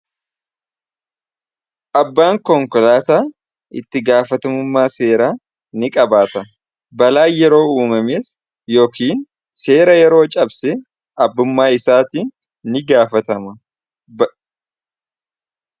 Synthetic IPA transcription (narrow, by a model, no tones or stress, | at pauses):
ʔɐbːaːŋkɔŋkɔlaːt̪aː | ɪ̰t̪ːɪɡaːfɐt̪ɐmʊmːaːse̞ːɾaː | nɪkʼɐbaːt̪ɐ | bɐlaːjɛɾo̞ːuːmɐmeːs | jo̞ːkiːn | se̞ːɾɐjɛɾo̞ːt͡ʃʼɐbsɛ | ʔɐbːʊmːaːɪsaːt̪iːnː | ɪɡaːfɐt̪ɐmɐ